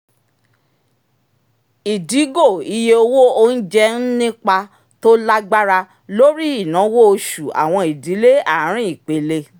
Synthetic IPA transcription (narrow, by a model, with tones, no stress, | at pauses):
i˨di˨˦ɡo˦˨i˧je˧o˧wo˦o˧n̩˦d͡ʒɛ˦n̩˦nĩ˦k͡pa˧ | to˦la˦ɡ͡ba˦ɾa˧ | lo˦ɾi˦i˦˨nã˨˦wo˦o˧ʃu˨a̰˨w̃ɔ̃˧i˨di˨˦le˦a˦˨˦ɾ̃ĩ˦i˨k͡pe˨˦le˧